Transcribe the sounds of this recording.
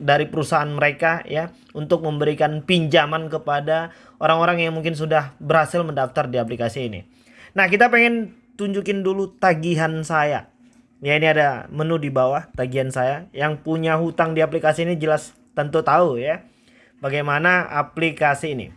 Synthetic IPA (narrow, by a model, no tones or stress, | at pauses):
daɾipəɾusaanməɾekaja | unt̪ʊk̚məmbəɾikanpiɲd͡ʒamankəpada | ʔoɾaŋoɾaŋjaŋmuŋkɪns̬udahbəɾhasɪlməndaft̪ardiaplikasiːnḭ | nahkit̪apeŋɛn | t̪uɲd͡ʒukɪndulut̪aɡiɦansaja̰ | jainiadamənudibawaht̪aɡiɦansajajaŋpuɲaɦut̪aŋdiaplikasiːnid͡ʒəlas | t̪ənt̪ut̪auja | baɡajmanaʔa̰plikasiːnḭ